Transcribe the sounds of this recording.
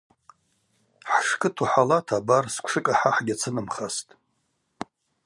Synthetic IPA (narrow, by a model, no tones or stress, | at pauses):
ħʂkʰʼɨtʰuħalatʰabarskʷʰʂɨkʼaħaħɡʲat͡sʰɨnɨmχastʼ